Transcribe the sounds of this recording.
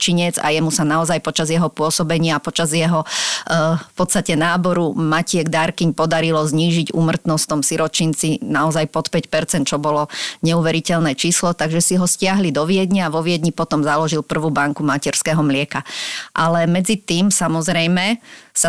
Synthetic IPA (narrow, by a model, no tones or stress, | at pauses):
t͡ʃiɲɛd͡za̰jɛmusanaɔzajpɔt͡ʃazjɛɦɔpʊɔsɔbɛɲɪaːpɔt͡ʃazjɛɦɔ | fpɔt̪st̪acɛnaːbɔɾumacɪɛɡd̪aɾkiɲpɔd̪aɾilɔzɲiːʒiɟṵːmr̩t̪nɔst̪ɔmsiɾɔt͡ʃint͡sinaɔzajpɔt̪pɛcpɛɾt͡sɛnt̪̚t͡ʃɔbɔlɔɲɛuʋɛɾicɛlnɛːt͡ʃiːslɔt̪aɡʒɛsiɦɔscɪaɦlid̪ɔʋɪɛd̪ɲaːʋɔʋɪɛd̪ɲipɔt̪ɔmzalɔʒilpr̩ʋuːbaŋkumacɛɾskɛɦɔmlɪɛkaʔalɛmɛd͡zit̪iːmsamɔzɾɛjmɛsa